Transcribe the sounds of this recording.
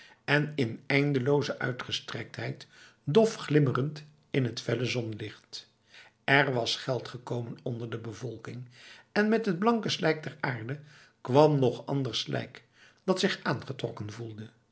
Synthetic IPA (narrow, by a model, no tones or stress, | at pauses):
ɛnɪnɛjndəlowzəʔœ̰ɥtχəstrɛk̚tɦɛjt | dɔfχlɪmərənt | ɪnɦətfɛləzɔnlɪχt | ɛrʋɑsχɛlˠtχəkowmənɔndəɹdəbəvɔlˠkɪŋɛnmɛtɦəd̚blɑŋkəslɛjk̚dɛraːɹdə | kʋɑmnɔχɑ̰ndəɹslʔɛ̰jk | d̥ɑtsɪχaːnχətrɔ̰kənvulˠdə